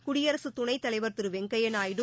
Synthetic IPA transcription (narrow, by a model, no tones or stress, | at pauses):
kʊɽɪjɐɾɐsɯt̪ːʊɳɐɪt̪ːɐlɐɪʋɐɾt̪ɯɾɯʋɛŋɡɐjɐnaːjɪɽɯ